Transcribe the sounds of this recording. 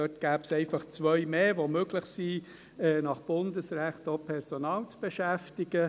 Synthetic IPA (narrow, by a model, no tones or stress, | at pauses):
œtɡ̥æːpsɛɪfɑχt͡sʋœʏmeːʋomøɡlɪχsi | ɛːnɑχb̥ʊndəsɾæχtopʰɛɾsonɑːlt͡sb̥eʃæftɪɡ̥ə